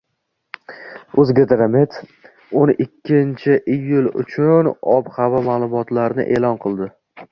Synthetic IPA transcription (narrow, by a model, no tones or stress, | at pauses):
ozɡʲed̪ɾamet̪ʰ | onɪkʲʰːɪnt͡ʃʰɪʔejʊlˠʊ̰t͡ʃʰʊnɒbhavɒmaːlˠʊmɒt̪laɾnɪ̰ʔe̞ːlɒnqʰɨlˠd̪ɪ